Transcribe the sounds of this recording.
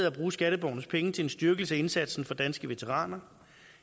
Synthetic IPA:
ð̩ˠæb̥ʁuːsɡ̥æɾəb̥ɒ̰ʊnəspʰeŋət͡sʰe̝le̝nsd̥yɐɡ̥l̩səæe̝nsæd̥sn̩fɒ̽d̥ænsɡ̥əʋe̝t͡sʰeʁɑ̰̈ːnɐ

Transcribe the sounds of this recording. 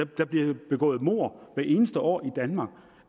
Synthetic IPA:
d̥æb̥liɐb̥e̝ɡ̥ɔ̰̽ːð̩ˠmo̝̰ːɐ̰ʋæɐe̝ːnəsd̥əʔɒ̰ːid̥ænmɑ̈ɡ̥

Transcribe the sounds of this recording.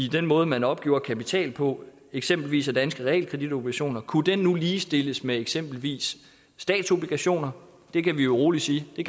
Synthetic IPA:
id̥enmɔ̽ːð̞̩ˠəmænɒ̽b̥̚ɡ̥e̝̰ʊɐkʰæpit͡sʰɛ̰ːlpʰɒ̽ | eɡ̥sem̰b̥l̩ʋḭːsæd̥ænsɡ̥əʁɛḛːlkʰʁɛd̥id̥o̝b̥liɡ̥æɕo̝̰ːnɐkʰud̥enːuliːsd̥e̝ləsmeeɡ̥sem̰b̥l̩ʋḭːsː | d̥ɛ̰ːd̥so̝b̥liɡ̥æɕo̝̰ːnɐ | d̥e̝kʰæʋijoʁo̝ːlid̥siːd̥e̝

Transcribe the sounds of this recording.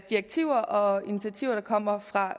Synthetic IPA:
d̥ieɡ̥̚t͡sʰiʊ̰ɐʔɒ̽init͡sʰæt͡sʰiʊ̰ɐɾ̥ɑ̈kʰɒ̽m̰ɐfʁɑ̈

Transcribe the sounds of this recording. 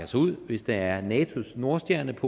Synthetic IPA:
ɐsuð̰ˠʋe̝sd̥ɑ̈æɐnɛːt͡sʰo̝sno̝ɐsd̥jæɐnəpʰɒ̽

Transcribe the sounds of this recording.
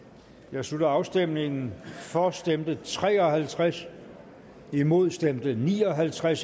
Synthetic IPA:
jɑ̈ɪslud̥ɐɑ̈ʊsd̥em̰ne̝ŋn̩fɒsd̥emd̥ət͡sʰʁɛ̰ːɒ̽ɦælt͡sʰʁas | imo̝ð̞̰ˠsd̥emd̥ənḭːɒ̽ɦælt͡sʰʁas

